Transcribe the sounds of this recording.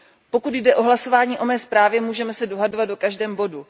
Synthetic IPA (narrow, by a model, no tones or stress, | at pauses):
po̞kut̪jdɛʔo̞ɦlaso̞vaːɲiːʔo̞mɛːspɾaːvjɛmuːʒɛmɛsɛdo̞ɦadovat̪̚dokaʒdɛːmbo̞du